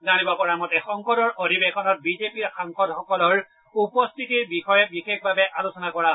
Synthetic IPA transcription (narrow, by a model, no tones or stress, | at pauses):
zañibɔkɔɹamɔtɛxɔŋkɔdɔɹʔodʱibexɔnɔt̚bizepiɹxaŋkɔdxɔkɔlɔɹ | upɔstʰitiɹbixɔjɛbixekʰbabɛʔalosɔnakɔɹa